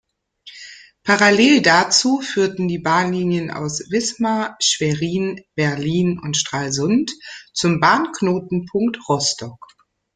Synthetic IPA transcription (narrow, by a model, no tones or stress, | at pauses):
pʰaʁaleːldat͡suːfyːɐtn̩diːbaːnliːnjənʔa̰ʊsv̥ɪsmaʃv̥ɛʁiːnb̥ɛɐliːnʊntʃtʁ̥aːlzʊntt͡sʊmbaːnknoːtn̩pʰʊŋktʁɔstʰɔk